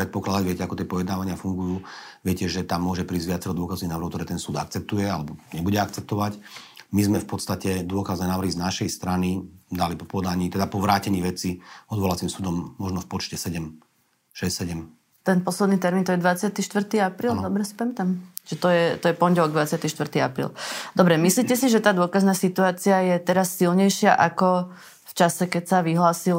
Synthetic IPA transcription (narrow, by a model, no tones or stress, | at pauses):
pɾɛt̪pɔklad̪aɟʋɪɛcɛakɔt̪ɪɛpɔjɛd̪naːʋaɲɪafuŋɡujuːʋɪɛcɛʒɛt̪amːʊɔʒɛpɾiːzɟʋɪat͡sɛɾɔd̪ʊɔkazniɦnaːʋɾ̩ɦɔkt̪ɔɾɛːt̪ɛnsuːd̪a̰k̚t͡sɛp̚t̪ujɛalɛbɔɲɛbuɟɛakt͡sɛp̚t̪ɔʋacmizmɛfpɔt̪st̪acɛd̪ʊɔkaznɛːnaːʋɾrɦiznaʃɛjst̪ɾanid̪alipɔpɔd̪aɲiːt̪ɛd̪apɔʋɾaːcɛɲiːʋɛt͡siɔd̪ʋɔlat͡siːmsuːd̪ɔmːɔʒnɔfpɔt͡ʃcɛsɛɟɛm | ʃɛssɛɟɛm | t̪ɛnpɔslɛd̪niːt̪ɛɾmint̪ɔjɛd̪ʋat͡sɪat̪iʃt̪ʋr̩t̪iːapɾiːld̪ɔbɾɛsi̥pɛmɛt̪amʒ̥ɛt̪ɔjɛt̪ɔjɛpɔnɟɛlɔɡd̪ʋat͡sɪat̪iːʃt̪ʋr̩t̪iːapɾḭːld̪ɔbɾɛmisliːcɛsiʒɛt̪aːd̪ʊɔkaznaːsit̪uaːt͡siajɛt̪ɛɾasːilɲɛjʃɪaʔakɔ | ft͡ʃasɛkɛcsaʋiɦlaːsil